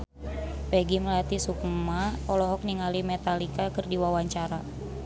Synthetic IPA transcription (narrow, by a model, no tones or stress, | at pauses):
pɛɡiməlat̪isukmaɔlɔɦɔk̚niŋalimɛt̪alikakɨrdiwawaɲt͡ʃaɾa